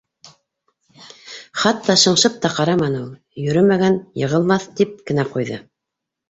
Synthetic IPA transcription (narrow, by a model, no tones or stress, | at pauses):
χɑt̪ːɑʃɤ̆ɴʃɤp̚t̪ɑqɑɾɑmɑnulˠ | jɵ̆ɾɵmæɡænjɤ̆ʁɤ̆lˠmɑθt̪ip̚kɘ̆næqujðɤ